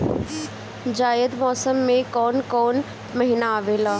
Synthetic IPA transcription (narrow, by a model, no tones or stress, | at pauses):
d͡ʑaːjəd̪mɔːsəmːẽkɔːnkɔːn | mɐɦinaaːʋeːlaː